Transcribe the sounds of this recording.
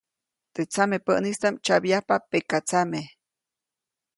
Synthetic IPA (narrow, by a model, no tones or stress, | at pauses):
t̪et͡samepəʔnist̪amt͡ʃabjahpapekat͡same